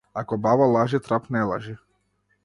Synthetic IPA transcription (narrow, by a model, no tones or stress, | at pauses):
akɔbavalˠaʒit̪ɾapnɛlˠa̰ʒi